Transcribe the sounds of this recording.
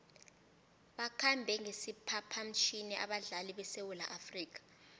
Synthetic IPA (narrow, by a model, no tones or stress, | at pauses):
ɓakʰambʱɛŋesipʰapʰam̩t͡ʃʰinɛʔa̰ɓaɮaliɓɛsewula̰ʔafriːk̬ḁ